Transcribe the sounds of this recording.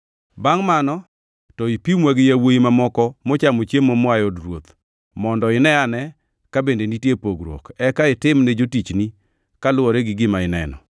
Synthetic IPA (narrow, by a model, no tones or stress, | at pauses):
baŋmanɔ | tɔipimwɛɡjawoimamɔkɔmot͡ʃamot͡ʃjemomʊajodɾwot̪ | mɔndɔɪnɛanɛ | kabendenitjepoɡɾwɔ̰kɛkaɪtɪmnɛd͡ʒotit͡ʃni | kalʊwɔɾɛɡɪɡɪmaɪnɛ̰nɔ̰